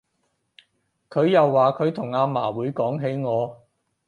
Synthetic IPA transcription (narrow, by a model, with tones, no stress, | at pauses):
kʰɵ˨˧ɥjɐ˨wːaː˨kʰɵ˨˧ɥt̪ʰʊ˨˩ŋaː˧ma̰ː˨˩wuː˨˥jkɔː˨˥ŋɦe˨˥jŋɔː˨˧